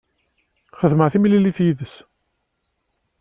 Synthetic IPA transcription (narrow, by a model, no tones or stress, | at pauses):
χəðməʁθimililiθjiðəs